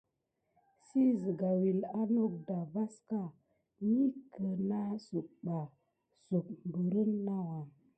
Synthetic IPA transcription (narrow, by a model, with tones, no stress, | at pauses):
si˦zi˨ɡa˨wi˨la˦no˦k̚da˨va˦ska˦ | ni˦kə˨na˦su˨k̚ɓa˨ | su˨k̚m˨bə˨ɾə˦nːa˦wa˨